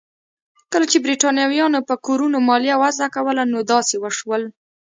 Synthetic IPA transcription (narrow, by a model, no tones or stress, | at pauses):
kəlat͡ʃebɾiʈɑnjɑwjɑnopəkoɾunomɑlijawazakawəlanod̪ɑsewəʃwəl